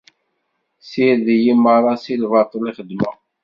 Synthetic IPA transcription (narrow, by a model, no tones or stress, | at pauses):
siɾðijiməɾˤɑsilvɑt̪ˤːəliχəd̪mə̰